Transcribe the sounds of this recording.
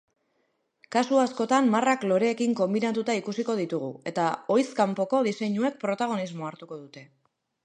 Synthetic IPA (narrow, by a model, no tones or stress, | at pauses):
kasuasko̞t̪ammaraklo̞ɾe̞ːkiŋko̞mbinat̪ut̪aikusiko̞ð̞it̪uɣ̞ue̞̰t̪ao̞jskampo̞ko̞ðise̞ɲue̞k̚pɾo̞t̪aɣ̞o̞nizmo̞aɾt̪uko̞ðut̪e̞